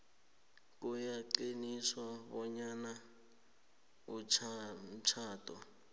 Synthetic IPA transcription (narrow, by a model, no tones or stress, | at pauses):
k̬ʼujaǃiniswaβɔɲana | ut͡ʃʰm̩t͡ʃʰaːtʰʼɔ̰